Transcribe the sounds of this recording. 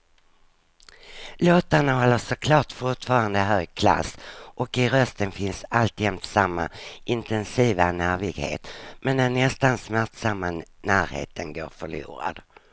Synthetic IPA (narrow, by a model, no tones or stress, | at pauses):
loːt̪aɳaɦɔlːəʂɔkʰlɑːʈfʊʈfɑːɾand̪əɦøːɡ̚kʰla̰sʔɔkɪɾœst̪ənfɪnsalt̪jɛmt̪samːa̰ʔɪnt̪ɛnsiːvanæːɾvɪɡhḛːt̪mɛnd̪ɛnɛst̪ansmæʈ̪samːanæːɾhḛːt̪ʰənɡoːɾfœɭṵːɾa̰d̪̥